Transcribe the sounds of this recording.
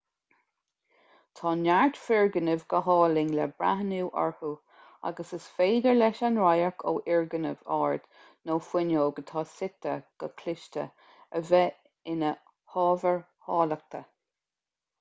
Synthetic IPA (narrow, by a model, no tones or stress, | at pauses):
t̪ʰɑːnaɹtfɪɹɡənəvɡəɦɑːlɪŋlɛbɹa̰ɦənuːʔɔ̰ɹhu | a̰ɡəsəsfeːd̪əɹlɛʃanɹajəɹkʰo̰ːʔɪɹɡənəvɑ̰ːɹd̪̥ | noːfwɪnoːɡət̪ʰɑːsɪt̪əɡ̥əkʰlɪʃtə̰ | əvɛ | ɪnə | hɑːvəɹ | hɑːlək̚t̪ʰə